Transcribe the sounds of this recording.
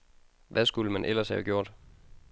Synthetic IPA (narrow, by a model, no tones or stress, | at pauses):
ʋæsɡ̥uləmænʔel̰ɐshɛʊɡ̥jo̝ɐ̰d̥